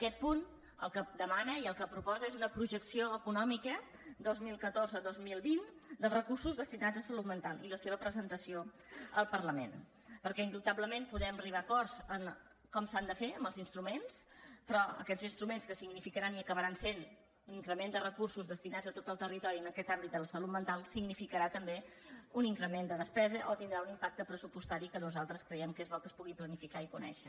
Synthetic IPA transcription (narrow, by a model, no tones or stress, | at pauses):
əkɛt̪̚pun | ə̰lˠkəd̪əmanəiəlˠkəpɾupɔzəezunəpɾuʒəksioəkunɔmikə | d̪ozmilˠkət̪orzəd̪ozmilˠβind̪əlˠrəkursuzðəst̪inad͡zəsəlut̪mənt̪alˠiləseβ̞əpɾəzənt̪əsio | əlˠpərləmḛn | pəɾkɛind̪ut̪abləmempuðɛməriβakɔrz̥ən | kɔmsand̪əfeəmbəlˠzinst̪ɾumenspɾɔə̰kɛzinst̪ɾumenskəsiɡnifikəɾaniəkəβəɾansen | uniŋkɾəmend̪ərəkursuzðəst̪inad͡zət̪ot̪əlˠt̪ərit̪ɔɾiənəkɛt̪ambit̪̚d̪ələsəlut̪̚mənt̪alˠsiɡnifikəɾat̪əmbe | uniŋkɾəmend̪əðəspɛzəʔot̪ind̪ɾaunimpak̚t̪əpɾəsupust̪aɾikənuzalˠt̪ɾəskɾəjɛmkezβɔlkəspuɣiplənifikaikunɛ̰ʃə